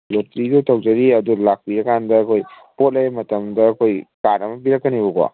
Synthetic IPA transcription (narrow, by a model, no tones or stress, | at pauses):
lotɾidutʰɐwd͡ʒɐɾiɐdulak̚piɾɐkʰandɐːkʰoj | pot̚lejmɐtɐmdɐːkʰojkaɾɐmɐbiɾɐkːɐnibɐɡwa̰